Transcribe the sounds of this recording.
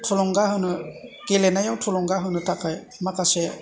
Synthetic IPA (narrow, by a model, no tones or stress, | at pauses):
tʰɔlɔŋɡaɦɯnɯɡelenajawtʰɔlɔŋɡaɦɯnɯtʰakaj | makasɛ